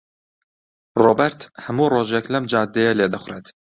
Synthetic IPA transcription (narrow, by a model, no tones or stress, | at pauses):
roːbɛɾt̪hɐmuːroːʒeklɐmd͡ʒɑːd̪ejɛleːd̪ɐxʊɾeːt̪